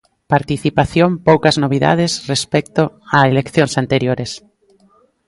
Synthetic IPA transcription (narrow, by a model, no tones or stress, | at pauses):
paɾt̪iθipaθjompowkaznoβ̞iða̰ðesrespɛk̚t̪oaelekθjõnsant̪eɾjoɾes